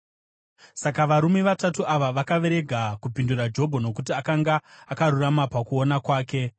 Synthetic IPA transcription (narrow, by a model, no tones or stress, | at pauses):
sakaʋaɾume̞ʋatatuʔaʋaʋakaʋe̞ɾe̞ɡʱakupindurad͡ʒo̞bʱo̞no̞kutiakaŋɡaːkaɾuramapakuonakwaːke̞